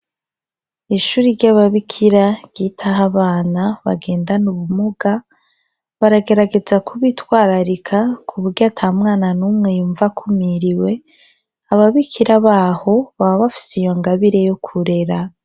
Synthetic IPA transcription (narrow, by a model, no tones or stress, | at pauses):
iʃuːɾiɾɟaβaβikʰiɾaɟ̥iːtʰaɦaβaːnaβa̰ɡe̞ːndanuβumuɡa | βaɾaɡe̞ɾaɡe̞zakʰuβitwaːɾaɾikʰakʰuβuɾɟatʰamŋaːnanuːmŋe̞juːɱvakʰumiɾiwe̞ | aβaβikʰiɾaβaːho̞βaβaβafi̥sijoŋɡaβiɾe̞jokʰuɾe̞ɾa